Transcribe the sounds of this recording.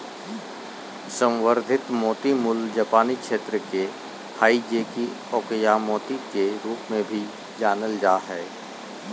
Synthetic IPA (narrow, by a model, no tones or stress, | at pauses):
sə̃wwəɾd̪ʱɪt̪mɔːt̪imʊld͡ʒaːpaːnikʃeːt̪ɾəke | haːid͡ʒeki | ɔːkəjamɔːt̪ikeɾuːpmẽbʱi | d͡ʒaːnəld͡ʒaːɦɛː